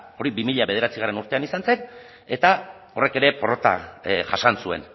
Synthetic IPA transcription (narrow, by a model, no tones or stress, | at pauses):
o̞ɾibimiʎaβe̞ðe̞ɾat͡siɣ̞are̞nuɾt̪e̞anisanse̞n | e̞t̪a | o̞re̞ke̞ɾe̞poɾot̪a̰ʝaʃansue̞̰n